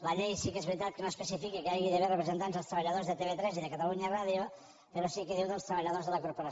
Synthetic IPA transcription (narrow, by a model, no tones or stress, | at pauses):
ləʎejsikɛzβɾit̪at̪̚kenoespesifikikeajɣiðəβerəpɾezent̪anzəlˠst̪ɾəβ̞aʎaðozðet̪eβet̪ɾɛziðəkat̪aluɲairaðjo | peɾosikeðiwðəlˠst̪ɾəβaʎaðozðələkoɾpoɾa